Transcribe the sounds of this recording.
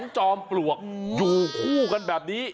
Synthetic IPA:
ŋt͡ɕɔː˧mplu˨˩ək̚juː˨˩kʰuː˥˩ka˧nbɛː˨˩p̚niː˦˥

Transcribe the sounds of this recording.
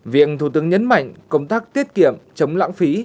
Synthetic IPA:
vḭ˧˨ənt̪ʰu˧˩t̪ɨ˨˦əŋɲə˨˦nma̰˧˨jŋ̟kə̰˧˩wŋ͡mt̪aː˦˥k̚t̪i˦˥ət̚ki˧˩əmt͡ɕə˨˦wŋ͡mla̰ː˧˥ŋfi˨˦

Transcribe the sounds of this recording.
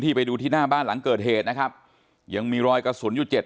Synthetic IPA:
t̪ʰiː˥˩pa˧jduː˧t̪ʰiː˥˩naː˥˩baː˥˩nla˩˦ŋkɤː˨˩t̪̚ɦeː˨˩t̪̚na˦˥kʰa˦˥p̚ | ja˧˩ŋmiː˧ɾɔː˧jka˧su˩˦ənjuː˨˩t͡ɕe˨˩t̪̚

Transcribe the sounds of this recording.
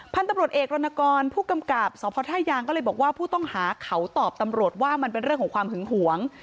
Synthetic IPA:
pʰa˧nt̪a˧mɾu˨ət̪̚ʔeː˨˩k̚ɾo˧na˧kɔː˧npʰuː˥˩ka˧mka˨˩p̚sɔː˨˦˥pʰɔː˧˥t̪ʰaː˥˩jːaː˧ŋkɔː˥˩lːjbɔː˨˩k̚waː˥˩pʰuː˥˩t̪ɔ˥˩ŋhaː˩˦kʰa˨˦˥wt̪ɔː˨˩p̚t̪a˧mɾu˨˩ət̪̚waː˥˩ma˧npe˧nɾɯ˥˩əŋkʰɔː˩˦kwaː˧mhɯ˩˦ŋɦu˩˦əŋ

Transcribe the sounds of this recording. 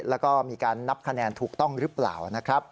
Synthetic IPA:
lɛː˦˥wkɔː˥˩miː˧kaː˧nːa˦˥p̚kʰa˧nɛː˧nt̪ʰuː˨˩k̚t̪ɔ˥˩ŋɾɯ˦˥pla̰ː˨˩wna˦˥kʰɾa˦˥p̚

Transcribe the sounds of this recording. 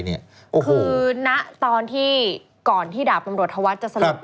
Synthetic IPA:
ni˦˥˩ɐ | ʔoː˧kʰːna˦˥ʔt̪ɔː˧nt̪ʰiː˥˩ | kɔː˨˩nt̪ʰiː˥˩daː˨˩w̚t̪a˧mɾu˨˩ət̪̚ʰa˧wa˦˥t̪̚t͡ɕa˨˩sa˧lu˧p̚

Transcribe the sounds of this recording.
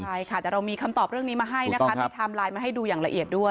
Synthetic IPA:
a˥˩jkʰa˦˥˩t̪ɛː˨˩ɾa˧wmiː˧kʰa˧mt̪ɔː˨˩p̚ɾɯ˥˩əŋniː˦˥maː˧ɦa˥˩jnna˦˥kʰa˦˥ta˩t̪ʰaː˧mlaː˧jmaː˧ɦa˥˩jduː˧jaː˨˩ŋla̰˧ʔi˨˩ət̪̚du˥˩ə

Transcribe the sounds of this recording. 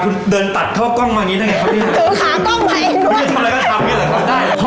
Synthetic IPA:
kʰu˧ndɤː˧nt̪a˨˩t̪̚ʰːɔː˥˩kɔ˥˩ŋmaː˧niː˦˥na˥˩ŋa˧˩kʰa˧˥˩nʰiː˥˩a˨˧˩o˨˩˦kʰaː˨˦˥kɔ˥˩ŋwa˨˧˦a˧ɾa˧jkɔ˥˩t̪ʰa˧mːi˥˩la˨˩k̪ʰa˦˥˩daː˥˩jʰ

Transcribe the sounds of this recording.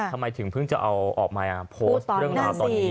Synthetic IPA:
t̪ʰa˧mːa˧jt̪ʰɯ˩˦ŋpʰɯ˥˩ŋt͡ɕa̰˨˩ʔa˧wʔɔː˨˩k̚maː˧ʔa˨˩pʰoː˦˧˥t̪ːɾɯ˥˩ə˩ŋaː˧˥t̪ɔː˧nː˦

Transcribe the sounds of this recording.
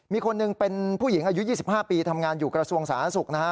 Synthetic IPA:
miː˧kʰo˧nːɯ˧ŋpe˧npʰuː˥˩ji˩˦ŋʔaː˧ju˦˥jiː˥˩s̬i˨˩p̚haː˥˩piː˧t̪ʰa˧mŋaː˧njuː˨˩kɾa˧su˧əŋsaː˩˦n˦a˦˥su˨˩k̚na˦˥kʰa˦˥

